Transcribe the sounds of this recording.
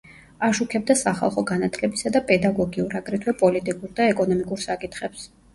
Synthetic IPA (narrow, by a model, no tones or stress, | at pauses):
aʃukʰɛb̚d̪asaχa̰lˠχɔɡanat̪ʰlɛbisad̪apʼɛd̪aɡɔɡiuɾaɡɾɛt̪ʰwɛpʼɔlit̪ʼikʼuɾd̪aɛkʼɔnɔmikʼuɾsakʼit̪ʰχɛps